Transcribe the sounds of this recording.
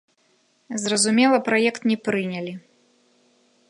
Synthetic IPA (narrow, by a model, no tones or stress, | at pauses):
zrɐzumʲɛlˠɐpɾajɛkt̪nʲɛpɾɨnʲɐlʲi